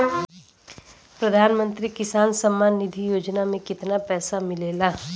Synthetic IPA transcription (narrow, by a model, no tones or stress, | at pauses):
pɾɐd̪ʱaːnmə̃nt̪ɾikɪsaːnsɐmːaːnːɪd̪ʱijoːd͡ʒnamẽkɪt̪napɛːsamɪleːlaː